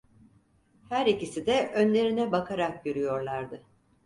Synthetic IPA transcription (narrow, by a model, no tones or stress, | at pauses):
hæɾicisid̪ɛʔønlʲe̞ɾinɛbakʰaɾak̚ɟøɾyjo̞ɾlˠaɾd̪ɯ